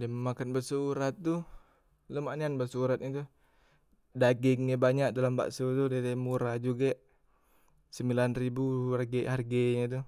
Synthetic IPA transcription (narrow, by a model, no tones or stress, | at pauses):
diaməmakanbərsuuɾat̪̚ːu | ləmanianbəsuɾat̪̚ɲit̪̬u | daɡɪŋɲabaɲak̚dalamba̰ʔsut̪udadamuɾad͡ʒuɡaʔ | səmbilanribuarɡɛʔharɡɛɲat̪̬u